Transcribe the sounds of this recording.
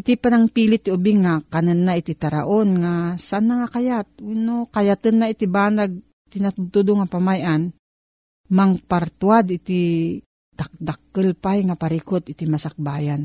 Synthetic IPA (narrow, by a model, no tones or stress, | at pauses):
ʔɪt̪ipanaŋpiːlɪt̪ːɪʊbɪŋakanɨnːaɪt̪it̪aɾa̰ʔonŋasaʔanːaŋakajat̪̚winokajat̪ɨnːaɪt̪ibaːnaɡ̚ | t̪ɪnat̪ʊt̪ud̪oŋapamajʔan | maŋpaɾt̪wad̪ɪt̪i | d̪̥ak̚d̪ak̚ːəlpajŋapaɾikot̪ɪt̪imasak̚baːjan